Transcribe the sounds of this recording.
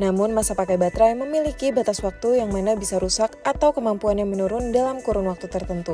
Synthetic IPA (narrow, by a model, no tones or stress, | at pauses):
namʊnmasapakajbat̪ɾajməmilikibat̪aswak̚t̪ujaŋmanabisaɾusakat̪awkəmampuanjaŋmənuɾʊndalamkuɾʊnwak̚t̪ut̪ərt̪ənt̪u